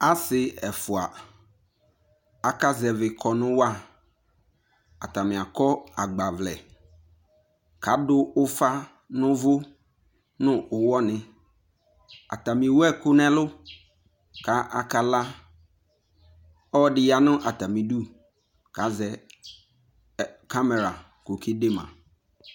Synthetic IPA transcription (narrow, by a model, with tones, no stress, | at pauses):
a˦sɪ˨ɛ˨fʊ˨a˨ | a˨ka˦zɛ˨vɪ˨kʰɔ˨nʊ̃˦wa˦˨ | a̰˨t̪a˨mɪ̃˨a˨kɔ˦a˨ɡ͡ba˨vlɛ̰˨ | ka˨˦dʊ˦ʊ˦fa˦ | nʊ̃˦vʊ˦ | nʊ̃˦ʔʊ˨wɔ˦nɪ̃˨ | a̰˨ta˨mĩ˨wɛ˦kʊ˦nɛ̃˦lʊ˦ | ka˨˦ʔa˨ka˨la˦ | ɔ˦dɪ˨ja˨nʊ̃˦ʔa˨ta˨mĩ˨du˦ | ka˨zɛ˨ | ka˦mɛ˨ɾa˨ | ko˨ki˦de˦mã̰˨